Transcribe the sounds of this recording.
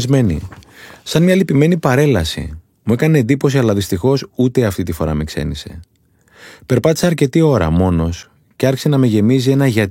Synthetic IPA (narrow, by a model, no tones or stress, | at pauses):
zme̞nḭsɐnmɲɐlipime̞nipɐɾe̞lɐsḭ | mue̞kɐneːnd̪ipo̞siɐlɐðist̪ixo̞sut̪eɐft̪it̪ifo̞ɾɐ̰me̞kse̞̰nise̞̰ | pe̞ɾpɐt̪i̥sɐːɾce̞t̪io̞ɾɐ̰mo̞no̞s | ceɐɾçise̞nɐme̞ʝe̞mizie̞nɐʝɐt̪